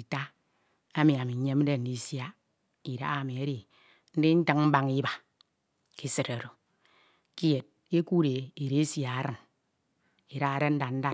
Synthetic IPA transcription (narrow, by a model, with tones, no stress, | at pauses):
i˨ta˦ | a˦mi˨a˨mi˨˦ɲe˦m̩˦de˦n̩˨di˦sja˦ | i˨ɾa̰˦a˦˨mi˨e˦ɾi˨ | n̩˦di˦n̩˦ta˦ŋ˦m̩˦ba˦ŋi˦ba˨ | ki˦sɨ˨ɾa˨ɾo˨ | ki˦je˨t̚ | e˦ku˦ɾe˨i˨ɾe˦sja˨a˦ɾɨ˨n | i˨ɾa˦ɣa˨ɾe˦n̩˦da˨n̩˦da˦